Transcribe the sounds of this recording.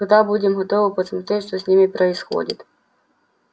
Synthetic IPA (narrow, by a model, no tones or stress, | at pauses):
d̪ɑbudʲemɦɔt̪ɔʋɔpɔsmʊt̪ɪʃt̪ɔzʲnʲɪmipɾɔisxɔ̰dʲḭt̪ʲ